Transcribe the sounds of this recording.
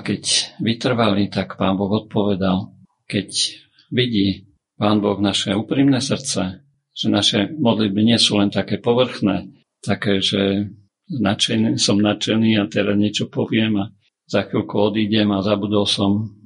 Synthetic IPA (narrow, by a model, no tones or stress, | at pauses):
kɛcʋit̪r̩ʋalit̪akpaːnbɔɣɔt̪̚pɔʋɛd̪al | kɛc | ʋiɟiː | paːnbɔɣnaʃɛuːpɾiːmnɛsr̩t̪t͡sɛ | ʒ̥ɛnaʃɛmɔd̪lid̪̚biɲɪɛsuːlɛnt̪akɛːpɔʋr̩xnɛː | t̪akɛːʒɛ | nat͡ʃɛnisɔmnat͡ʃɛniːat̪ɛɾazɲɪɛt͡ʃɔpɔʋɪɛma | z̥axʋilkuɔd̪iːɟɛmazabud̪ɔlsɔm